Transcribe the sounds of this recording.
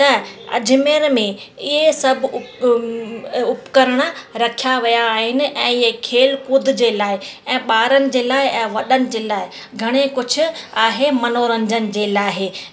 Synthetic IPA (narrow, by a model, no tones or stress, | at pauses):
t̪ɐɐ̰d͡ʑʱʊmeːɾmẽɪɦesɐbʱʊ | ʊpkɐɾəɽ̃əɾɐkʰijaʋijaːɦɪnɪ̆ʔɛ̃ːɪɦekʰeːlkʊd̪ʱd͡ʑeːlaːɪɛ̃ːɓaːɾənɪ̆d͡ʑeːlaːɦɪɛ̃ːʋɐɗənɪ̆d͡ʑeːlaːɪ | ɡʱɐɽ̃ekʊd͡ʑʱʰʊ̆aːɦemɐnoːɾə̃ɲd͡ʑənɪ̆d͡ʑeːlaːɦe